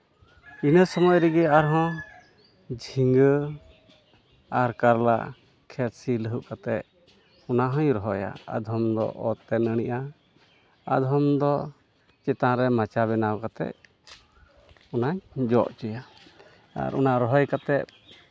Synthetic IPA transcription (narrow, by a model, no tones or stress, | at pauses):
inəsɔmɔjɾɛɡɛaɾɦɔ̃ | d͡ʒʱiŋɡə | aɾkaɾla̰ʔ | kʰɛt̪̚siləɦuʔkat̪ɛʔ̚ | ɔnaɦɔ̃jɾɔɦɔja̰a̰d̪ʱɔmd̪ɔ̰ʔɔt̪ɛnəɽ̃iʔa | a̰d̪ʱɦɔmd̪ɔ | t͡ʃɛt̪ãɾɛmat͡ʃaβɛnawkat̪ɛ̰ʔ̚ | ɔnaɲd͡ʒɔʔt͡ʃɛja | a̰ɾɔnaɾɔɦɔjkat̪ɛt̚